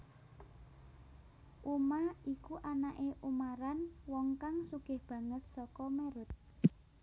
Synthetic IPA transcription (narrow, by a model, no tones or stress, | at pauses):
ʔumaikuʔanaʔeʔumaɾanwɔŋkaŋsuɡ̥ɪhb̥ä̤ŋət̪̚sɔkɔmeɾʊt̪̚